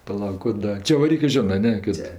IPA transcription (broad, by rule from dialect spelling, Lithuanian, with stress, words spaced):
pɐˈlˠɐʊk kʊ ˈdɐ t͡ʃʲɛʋɐˈrʲiːkɜ ˈʒʲɪnɜ ɐ ˈnʲɛ ˈkɐt